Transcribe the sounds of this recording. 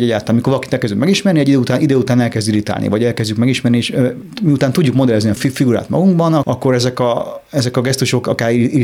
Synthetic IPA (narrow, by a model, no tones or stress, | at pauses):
ɛɟːaːlt̪aːnmikorvɒlɒkit̪ɛlkɛzɟykmɛɡiʃmɛrniɛɟid̪øːut̪aːnʔid̪øːut̪aːnɛlkɛzd̪iɾit̪a̰lnʔḭvɒɟɛlkɛzɟykmɛɡiʃmɛrnieːʃø | miut̪aːnt̪uɟːukmod̪ɛlɛzniɒfifiɡuɾa̰ːt̪mɒ̰ɡuŋɡbɒnɒɒkːo̞ɾɛzɛkɒɛzɛkɒɡɛst̪uʃo̞kɒkaːɾi